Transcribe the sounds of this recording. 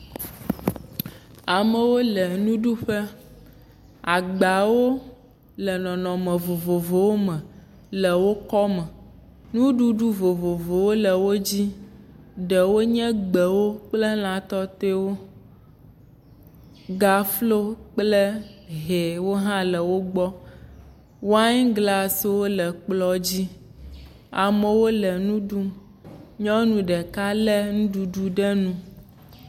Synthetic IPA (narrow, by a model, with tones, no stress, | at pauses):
a˨mɛ˨wo˦lə˨nũ˦ɖu˦ɸɛ˦ | a˨ɡ͡ba˨wo˦ | lɛ˨nɔ̃˨nɔ̃˨mɛ̃˨vo˨vo˨vo˨wo˦mɛ̃˨ | lə˨wo˦kɔ˦mɛ˨ | nũ˦ɖu˦ɖu˦vo˨vo˨vo˨wo˦lə˨wo˦d͡ʑi˦ | ɖɛ˨wo˦ɲɛ̃˦ɡ͡bə˨wo˦k͡plɛ˦l̃ã˨t̪ɔ˦t̪e˦wo˦ | ɡa˨flo˦k͡plɛ˦ɦe˨wo˦ɦã˦lɛ˨wo˦ɡ͡bɔ˦ | wa˦ɲ˦ɡla˨swo˦lɛ˨k͡plɔ˦d͡ʑi˦ | a˨mɛ˨wo˦lɛ˨nũ˦ɖu˦m | ɲɔ̃˦nũ˨ɖɛ˨ka˦lɛ˦ŋũ˦ɖu˨ɖu˦ɖɛ˦nũ˦